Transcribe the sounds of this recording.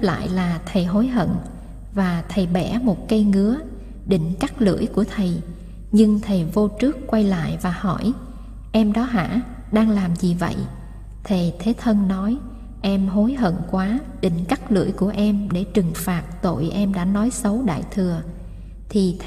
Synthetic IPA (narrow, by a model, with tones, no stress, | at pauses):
p̚la̰ː˧˨jlaː˨˩t̪ʰə˨˩jɦo˨˦jɦə̰˧˨n | vaː˨˩t̪ʰə˨˩jɓɛ˧˩mo˨˩t̚kə˧jŋɨ˨˦ə | ɗḭ̈˧˨ŋ̟ka˦˥k̚lɨ̰˧˩˥əjku˧˩ət̪ʰə˨˩j | ɲɨ˧ŋt̪ʰə˨˩jvo˧t͡ɕɨ˦˥əkːwa˧jla̰ː˧˨jvaː˨˩hɔ˧˩j | ʔɛ˧mɗɔ˨˦ɦa̰ː˧˥ | ɗaː˧ŋlaː˨˩mzi˨˩və̰˧˨j | t̪ʰə˨˩t̪ʰe˨˦t̪ʰə˧nnɔ˨˦j | ʔɛ˧mɦo˨˦jɦə̰˧˨nkwaː˨˦ | ɗï˧˩˨ŋ̟ka˦˥k̚lɨ̰˧˩əjku˧˩əʔɛ˧mɗe˧˩t͡ɕɨ˨˩ŋfaː˨˩t̚t̪o̰˧˨jʔɛ˧mɗa̰ː˧˥nɔ˨˦jsə˨˦wɗa̰ː˧˨jt̪ʰɨ˨˩ə | t̪ʰi˨˩